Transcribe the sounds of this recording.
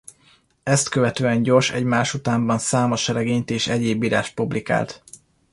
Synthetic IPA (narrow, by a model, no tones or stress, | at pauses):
ɛst̪kø̞vɛt̪øːɛɲɟo̞rʃɛ̰ɟmaːʃut̪aːmbɒnsaːmoʃɛɾɛɡeːɲt̪eːʃɛɟeːbːiːɾa̰ːʃt̪̚publika̰ːlt̪